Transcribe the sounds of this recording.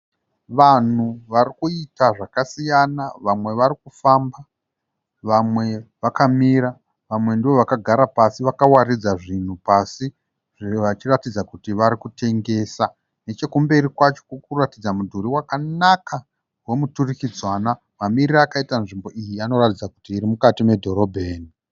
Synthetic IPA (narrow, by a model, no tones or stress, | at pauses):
ʋan̤uʋaɾikuitaʐakasijanaʋamwe̞ʋaɾikufamba | ʋamwe̞ʋakamiɾa | ʋamwe̞ndiʋo̞ʋakaɡʱaɾapasiʋakawarid͡zaʐin̤upasi | ʐiʋat͡ʃiratid͡zakutiʋaɾikutʰe̞ŋɡe̞ːsa | ne̞t͡ʃe̞kumbe̞ɾikwat͡ʃo̞kukuratid͡zamudʱuɾiwakanaka | we̞muturikid͡zwana | mamiriɾaːkaitanʐimbo̞ʔijiano̞ratid͡zakutiːɾimukatime̞dʱo̞ɾo̞bʱeːni